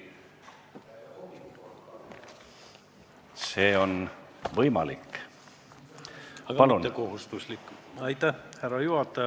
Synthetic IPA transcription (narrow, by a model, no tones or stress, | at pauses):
seːo̞nvɤjmɑ̰likː | ɑpɑlunekoɦust̪uslikːˑɑjt̪ːæhhæɾɑjuhɑt̪ːˑɑjɑ